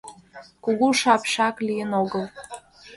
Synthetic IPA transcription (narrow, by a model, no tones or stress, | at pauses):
kuɣuʃɑpʃɑklijənoɣəlˠ